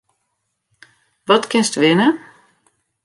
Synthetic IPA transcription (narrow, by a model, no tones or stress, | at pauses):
ʋɔtkɪnstʋɪnə